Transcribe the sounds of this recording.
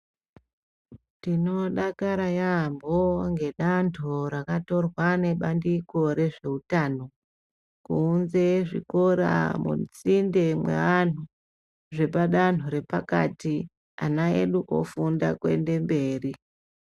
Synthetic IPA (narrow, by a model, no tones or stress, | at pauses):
tino̞ɗakaɾajamboŋɡe̞ɗantʰoɾakato̞rwane̞ɓandiko̞ɾe̞ʐe̞utaːno̞ | kuːnze̞ʐḭko̞ɾa̰mṵt͡sinde̞mwḛʋan̤u | ʐe̞paɗan̤uɾe̞paka̰ti | a̰naḛɗuʔofundakwe̞̰nde̞mbe̞ːri